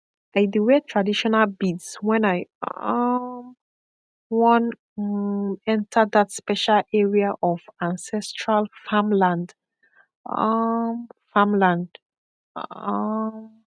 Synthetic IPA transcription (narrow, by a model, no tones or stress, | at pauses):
aɪduwɛtʰɹadiʃɔnalbidswɛ̃naɪ | wɔ̃n | ɛ̃ntʰəðatspɛʃalʔɛɹiaʔɔvãnsɛstʰɹalfamlãnd̰ | mfãmlãnd | m